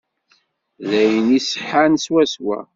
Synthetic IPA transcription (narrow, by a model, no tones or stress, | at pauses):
ðæjənisə̥ħanswæswæ̰